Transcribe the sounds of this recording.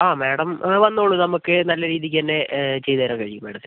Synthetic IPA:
aːmeːɽɐmʋɐnːoːɭːunɐmukːɨnɐlːɐɾiːðik̬ʲːɨt̪ɐnːe̞t͡ɕe̞jt̪ɐːɾɐːkɐɻikːumːeːɽɐt̪ː

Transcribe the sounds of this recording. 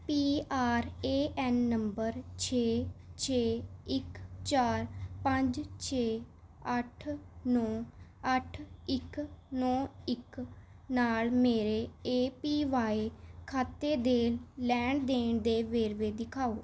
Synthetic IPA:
piːaːɾeːʔɛːnːəmbəɾt͡ʃʰeːt͡ʃʰeːɪkt͡ʃaːɾpəɲd͡ʒt͡ʃʰeːəʈʰnɔːəʈʰɪknɔːɪk | naːlmeːɾeːeːpiːʋaːekʰaːt̪eːd̪eːllɛːɳd̪eːɳd̪eːʋeːɾʋeːd̪ɪkʰaːoː

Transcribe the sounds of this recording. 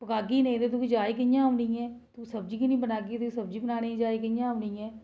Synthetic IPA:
pəkaːɡiːnẽĩːd̪eːt̪ukid͡ʒaːiːk̬ɪjãːɦʊnĩːɛːt̪usəbd͡ʒiːkinĩːbənaːɡiːt̪ʊkisəbd͡ʒiːbənaːneːid͡ʒaːiːk̬ɪjãːʊniːɛː

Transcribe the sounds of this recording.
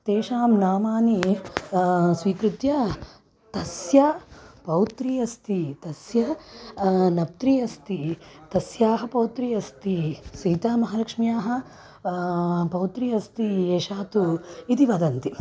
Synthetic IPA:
t̪eːʃaːmnaːmaːni | sʋiːkɾut̪jɐ | t̪ɐsjɐpɐwt̪ɾiːɐst̪it̪ɐsjɐ | nɐp̚t̪ɾiːɐst̪it̪ɐsjaːɦɐ̆pɐwt̪ɾiːɐst̪isiːt̪aːmɐɦɐlɐkʂmjaːɦɐ̆ | pɐwt̪ɾiːɐst̪ieːʃaːt̪uit̪iʋɐd̪ɐnt̪i

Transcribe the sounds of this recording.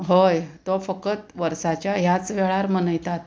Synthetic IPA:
ɦojt̪ɔfəkət̪ʋəɾsat͡ɕjaɦjat͡sʋeɭaɾmənəjt̪at̪̚

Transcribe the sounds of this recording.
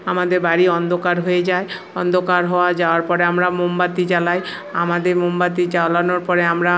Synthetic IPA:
amad̪eɾbaɾiɔnd̪ʱokaɾɦoed͡ʒae | ɔnd̪ʱokaɾɦɔoad͡ʒaoaɾpɔɾeamɾamombat̪id͡ʒalaj | amad̪eɾmombat̪id͡ʑalanoɾpɔɾeamɾa

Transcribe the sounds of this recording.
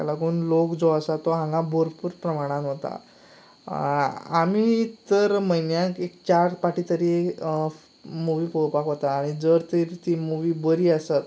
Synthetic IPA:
t̪a̰lakoːnlokd͡zɔasat̪ɔɦãŋɡãbʱoɾpuːɾpɾəmaɽ̃ãnɦot̪a̰ | a̰mit̪əɾməjnjãkekt͡ɕaɾpaʈit̪əɾi | muʋipəpakɦot̪aːɽ̃id͡zəɾt̪iɾt̪imuʋiːbəɾiːəsat̪

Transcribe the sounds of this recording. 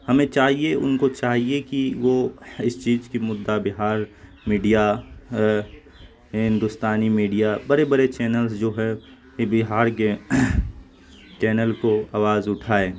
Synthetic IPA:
hɐmẽt͡ʃaːɦieʔʊ̰nkot͡ʃaːɦiekiʋoɪst͡ʃiːzkimʊd̪ːabɪɦaːɾ | miːɖija | ɦɪ̃nd̪ʊst̪aːnimiːɖijabɐɾebɐɾet͡ʃɛːnəlsd͡ʒoːɦɛ | bɪɦaːɾke | t͡ʃɛːnəlkoaːʋaːzʊʈʰaːeː

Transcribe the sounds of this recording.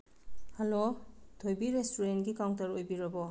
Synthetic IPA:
halotʰojbiɾestoɾenɡikawŋtɐɾojbiɾɐbɔ

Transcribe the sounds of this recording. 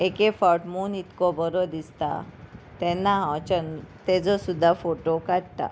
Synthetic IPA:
ekefɔɾʈmuːnit̪kɔbəɾɔd̪ist̪a̰t̪ɛ̃nːaɦãt͡ɕənt̪ɛd͡zɔsud̪ʱːafoʈokaɽt̪a̰

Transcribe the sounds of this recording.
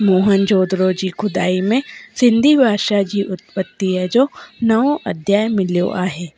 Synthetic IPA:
moːɦənd͡ʑoːd̪ɾod͡ʑiːxʊd̪aːimẽsɪ̃nd̪ʱibʱaːʃad͡ʑiʔʊt̪̚pət̪ːiəd͡ʑoːnɐʋõʔɐd̪ʱjaːjmɪljo̰ʔaːɦeː

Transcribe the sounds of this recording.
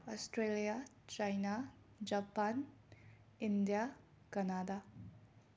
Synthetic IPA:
ɔstɾelija | t͡ʃajna | d͡ʒapan | indija | kɐnada

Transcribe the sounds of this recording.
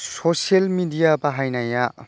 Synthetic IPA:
soselmidijabaɦajnaja

